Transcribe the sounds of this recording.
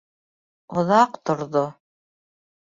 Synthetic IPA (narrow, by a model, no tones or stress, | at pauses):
ŏðɑqt̪ŏɾðo